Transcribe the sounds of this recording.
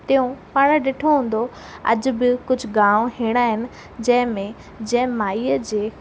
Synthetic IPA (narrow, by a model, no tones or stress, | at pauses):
t̪ɐɦũpaːɽ̃ɗeːʈʰoɦũːn̆d̪o | ɐ̰d͡ʑ̆bɪkʊd͡ʑʱʊɡãːʋõɦĩːɽ̃aːɦɪnɪ̆ | d͡ʑɐ̃ɦɪ̃mẽ | d͡ʑɐ̃ɦɪ̃maːiːəd͡ʑeː